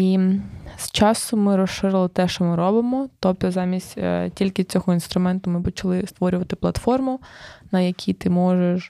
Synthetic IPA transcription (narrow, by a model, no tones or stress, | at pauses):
ist͡ʃɑsʊmɪɾɔsʃɪɾɪlˠɪt̪ɛʃt͡ʃɔmɪɾɔbɪmɔt̪ɔpt̪ɔzɑmʲisʲtʲtʲilʲkɪt͡sʲɔɦɔinst̪ɾʊmɛnt̪ʊmɪpɔt͡ʃɐlˠɪst̪ʋɔɾʲʊʋɐt̪ɪplˠɐt̪fɔrmʊnɐjɐkʲʰit̪ɪmɔʒeʃ